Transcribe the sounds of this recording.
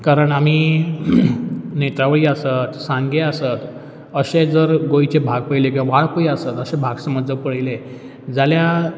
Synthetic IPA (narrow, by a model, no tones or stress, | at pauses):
kaɾəɳam̤iː | net̪ɾaʋəɭiːəsət̪sãŋɡeəsət̪ | əɕed͡zəɾɡojt͡ɕebʱaɡpəjlekiãʋaɭpəjəsət̪əɕẽbʱaɡsəmət̪d͡zəɾpəɽjle | d͡zalja